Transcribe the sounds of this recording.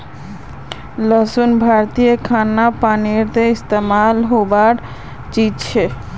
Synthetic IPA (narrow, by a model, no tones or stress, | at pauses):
ləsunbʱaɾt̪ijəkʰanːapaniɾt̪eist̪emalɦobaɾ | t͡ʃid͡ʒt͡ʃʰɛ